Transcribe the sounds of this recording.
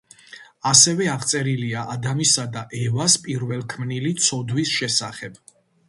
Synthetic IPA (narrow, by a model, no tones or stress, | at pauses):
asɛvɛaʁsʼɛɾiliaʔad̪amisad̪aʔɛvaspʼiɾvɛlˠkʰmnilit̪sʰɔd̪wisʃɛsaχɛb̥